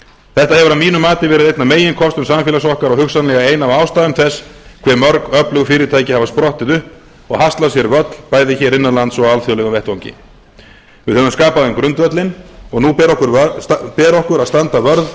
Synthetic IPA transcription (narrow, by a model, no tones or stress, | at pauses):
θɛht̪ahɛvʏɾavmiːnʏmaːt̪ɪvɛːɾɪðejt̪nameːjɪnkʰɔst̪ʏmsamfjɛlasɔhkaɾɔɣhʏxsanlɛɣaeːjnavaːwst̪aːðʏmθɛsːkʰvɛɾmœɾkœplʏɣʏfɪːɾɪt̪ʰaːjcɪhavaspɾɔht̪ɪðʏhp | ɔɣhast̪lasjɛɾvœt̪l̥paːjðɪçɛɾɪnːanlant̪sɔalθjɔwlɛɣʏmvɛht̪vawɲcɪ̰ | vɪðθœnʏmskaːpaðɛmkɾʏnt̪vœt̪lɪnɔɣnupɛɾɔhkʏɾpɛːɾɔhkʏɾaðst̪ant̪avœɾð